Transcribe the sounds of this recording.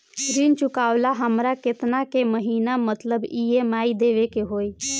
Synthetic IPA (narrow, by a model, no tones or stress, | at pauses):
ɾint͡ʃʊkaːʋlaɦəmɾaket̪nakeməɦiːnamət̪ləbijemaːid̪eʋekeɦoːi